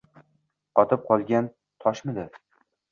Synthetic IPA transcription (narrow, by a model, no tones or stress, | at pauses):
qɒt̪ʰɪp̚qʰɒlˠɡʲan | t̪ʰɒʃmɪd̪ɪ